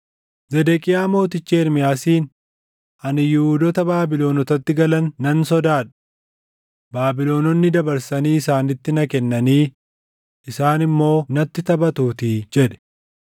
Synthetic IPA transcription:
zɛd̪ɛkʼɪjaːmo̞ːt̪ɪt͡ʃːeːɾmɪjaːsiːn | ʔɐnɪjʊuːd̪ɔt̪ɐbaːbɪlo̞ːnɔt̪ɐt̪ːɪɡɐlɐnːɐnsɔd̪aːᶑ̥ | baːbɪlo̞ːnɔnːɪd̪ɐbɐɾsɐniːɪsaːnɪt̪ːɪnɐkɛnːɐniː | ɪsaːnɪmːo̞ːnɐt̪ːɪt̪ɐbɐt̪uːt̪id͡ʒɛᶑɛ̥

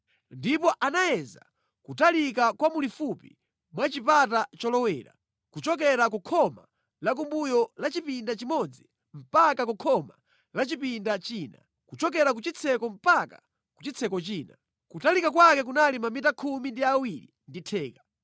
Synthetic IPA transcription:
ndipɔʔanajɛza̰ | kutalikakwamulifupḭ | mwat͡ʃipatat͡ʃɔlɔwɛ̰ːɾa̰ | kut͡ʃɔk̬ɛɾakukʰɔma̰ | lak̬umbujɔlat͡ʃipindat͡ʃimɔd͡zi | m̩pakakukʰɔma̰ | lat͡ʃipindat͡ʃiːna̰ | kut͡ʃɔk̬ɛɾak̬ut͡ʃit͡sʰɛkɔm̩paka̰ | kut͡ʃit͡sʰɛkɔt͡ʃiːna | kutalikak̬wakɛk̬unalimamitakʰumindiawiɾḭ | nditʰɛːkḁ

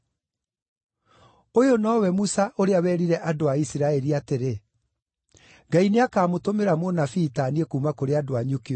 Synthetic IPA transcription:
ojonɔːwɛmusaʔoɾeawɛɾiɾɛʔadoaisiɾaɛɾiateɾe | ɡaineakaːmotomeɾamonafiːtaːniekuːmakoɾeadoaɲuke

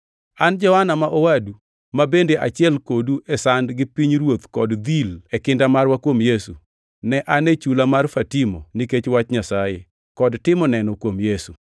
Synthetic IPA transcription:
and͡ʒɔhanamaʔowadu | mabendeʔat͡ʃɪɛlkoduʔesandɡɪpiɲɾwot̪kɔdd̪ilɛkɪndamarwakwomjesu | nɛʔanet͡ʃulamarfatimɔniket͡ʃwat͡ʃɲasaje | kɔdtɪmɔnɛnɔkwomjesu

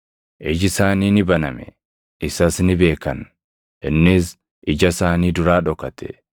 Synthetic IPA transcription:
ʔɛd͡ʒɪsaːniːnɪbɐnɐmɛ̰ | ɪsɐsnɪbe̞ːkɐn | ʔɪnːɪs | ʔɪd͡ʒɐsaːniːd̪ʊɾaːᶑɔkɐt̪ɛ̥̰

